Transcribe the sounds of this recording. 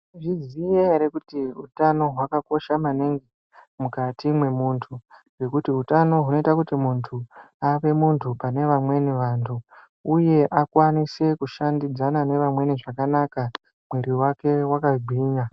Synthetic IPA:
ʐizijeɾekutiutano̞ɦwakako̞ʃamaneŋɡi | mukatimwe̞muntʰu | we̞kutiutano̞ɦuno̞itakutimuntʰuaʋe̞muntʰupane̞ʋamwe̞niʋaːntʰu | uje̞ʔakwanise̞kuʃandid͡zanane̞ʋamwe̞niʐakanaka | mwe̞ɾiwake̞wakaɡ͡bʱiːna

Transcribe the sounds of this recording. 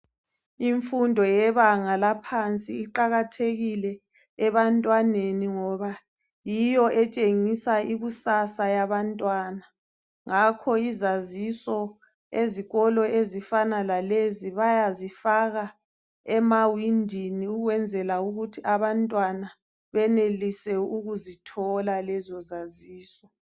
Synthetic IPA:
iɱfundʱɔjɛβaŋalapʰant͡sʼiːǃaɣatʰeɣilɛ | ɛβantʼwaneniŋɔβa | jijɔʔɛt͡ʃʼeŋisaiɣusasajaβantʼwaːna | ŋakʰɔizazisɔ | eziɣɔlɔezifanalaleziβajazifaɣa | ɛmawindʱiniuɣwɛnd͡zʱɛlauɣutʰiʔaβantʼwana | βɛnelisɛuɣuzitʰɔlalɛzɔzaziːsɔ

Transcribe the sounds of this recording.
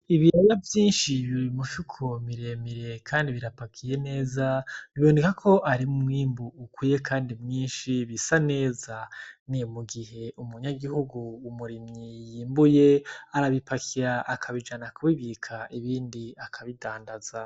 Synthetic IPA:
iβiɾajavjiːnʃiβiɾimufukʰomiɾe̞miɾe̞kʰaːndiβiɾapakʰije̞ne̞ːzaniβoːnekakʰo̞ʔaɾimumwiːmbuːkwiːje̞kʰaːndimŋiːnʃiβisane̞ːzanimuɡihe̞ʔumuɲaɡihuɡuːmuɾimɲijiːmbuje̞aɾaβipakʰiɾaʔakʰaβid͡ʒanakuβiβikʰaʔiβiːndiakʰaβidaːndaz̥a

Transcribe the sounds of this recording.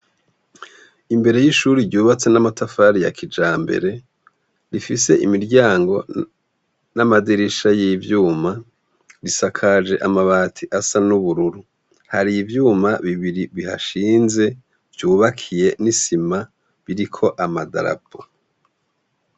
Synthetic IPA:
imbe̞ɾe̞jiʃuːɾiɾɟuːβat͡se̞namatafaːɾija̰kʰid͡ʒaːmbe̞̰ɾe̞ | ɾifise̞ʔimiɾɟaːŋɡo̞ | namadiɾiʃajivjuːma | ɾisakʰad͡ʒe̞ʔamaβaːtʰiʔasanuβuɾuɾu | haɾivjuːmaβiβiɾiβiha̰ʃiːnze̞ | v̥juːβakʰije̞nisima | βiɾikʰo̞ʔamada̰ɾa̰bo

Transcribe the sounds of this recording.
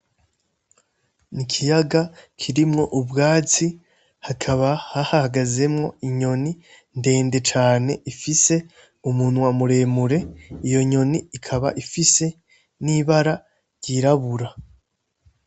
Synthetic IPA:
nikʰijaɡakʰiɾimŋo̞ʔubɡaːt͡si | hakʰaβahahahaɡaze̞mŋo̞̰iɲo̞ni | nde̞ːnde̞t͡ʃaːne̞ʔifise̞ | umuːn̥wamuɾe̞ːmuɾe̞ijo̞ɲo̞niikʰaβa̰ʔifise̞ | niβaɾa | ɾɟiɾaβuɾa

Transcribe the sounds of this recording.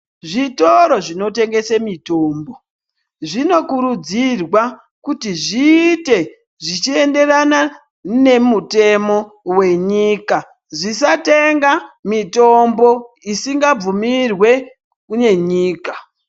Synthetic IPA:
ʐitoɾo̞ʐino̞te̞ŋɡe̞semito̞ːmbo̞ | ʐino̞kuɾud͡zirwa | kutiʐiːte̞ | ʐit͡ʃie̞nde̞rana | ne̞mute̞mo̞ | we̞ɲiːka | ʐisate̞ŋɡamito̞mbo̞ | isiŋɡab͡vumirwe̞ | kune̞ɲiːka

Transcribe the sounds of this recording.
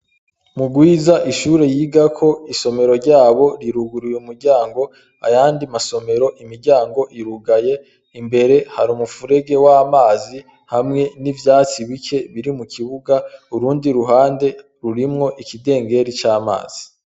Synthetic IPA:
muɡwiːzaʔiʃuːɾe̞jiːɡakʰo̞iso̞me̞ɾo̞ɾɟaːβo̞ɾiɾuɡuɾujumuɾɟaːŋɡo̞ | a̰jaːndimaso̞me̞ɾo̞ʔimiɾɟaːŋɡo̞ʔiɾuɡaje̞ | imbe̞ɾe̞haɾumufuɾe̞ɡe̞waːmaːzi | hamŋe̞nivjaːt͡siβike̞βiɾimukiβuɡauɾuːndiɾuɦaːnde̞ | ɾuɾimŋo̞ʔikide̞ːŋɡe̞ɾit͡ʃaːma̰ːz̥i

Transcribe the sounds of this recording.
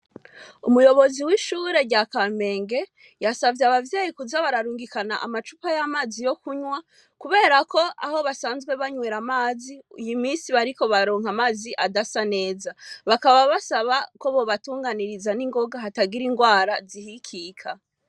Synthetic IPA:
ṵmujo̞βo̞ziwiʃuɾe̞ɾɟakalme̞ːŋɡe̞ | jasavjeaβavjeːjikuzaβaɾaɾuːŋɡikana̰ʔamat͡ʃupajamaːzijo̞kuɲwa | kuβe̞ːɾakʰo̞a̰ho̞βasaːnzɡwe̞βaɲweːɾamaːziujimiːnsiβaɾiko̞βaɾo̞ːŋ̥amaːziʔadasane̞ːzaβakaβaβasaβako̞βo̞βatuːŋɡaniɾizaniŋɡo̞ɡaɦataɡiɾiŋɡwaːɾazihikʰikʰa

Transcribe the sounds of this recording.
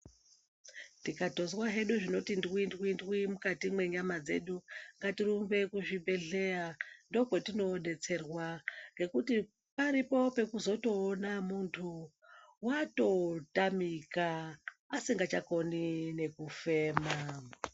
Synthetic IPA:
tikato̞zwaɦe̞ɗuʐino̞tindwindwuindwimukatimwe̞ɲamad͡ze̞̰ɗuŋɡatirumve̞kuʐibʱe̞ɮe̞ando̞kwetino̞ːɗe̞t͡se̞rwaŋɡe̞kuti | paɾipo̞pe̞kuzo̞to̞ːnamuntʰu | wato̞tamikaː | siŋɡat͡ʃako̞nine̞kufe̞ːma

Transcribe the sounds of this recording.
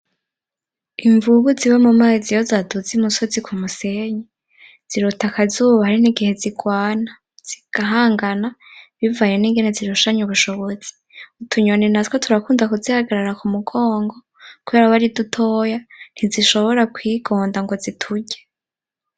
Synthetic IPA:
iɱvuβuziβamumaːzijozaduzimuso̞zikʰumuse̞ɲe | z̥iɾotakazuːβahaɾiniɡihe̞ziɡwaːna | z̥iɡ̥aɦaːŋɡanaβivajeniːŋɡeneziɾuʃaɲuβuʃoβo̞z̥i̥ | utʰuɲonenatkʰotʰuɾakuːndakuzihaɡaɾaɾakumuɡoːŋɡo̞ | kuβe̞ːɾaβaɾidutʰojan̥iziʃo̞βo̞ɾakwiːɡ̥o̞ːndaŋɡo̞zitʰuɟe

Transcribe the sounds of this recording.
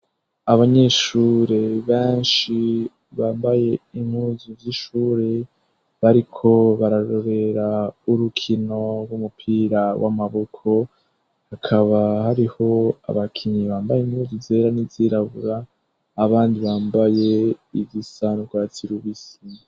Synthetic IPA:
aβaɲe̞ʃuːɾe̞βeːnʃi | βaːmbaje̞im̥huːzuvjiʃuːɾe̞ | βaɾikʰo̞βaɾaɾo̞ɾe̞ɾauɾukʰino̞ɾɡumupʰiːɾawʔa̰maβokʰo̞ | hakʰaβahaɾiho̞a̰βakʰiɲiβaːmbajenhuːzuzeːɾaniviɾaβuɾaː | βaːndiβaːmbaje̞iβisanuɡwat͡siɾuβisina

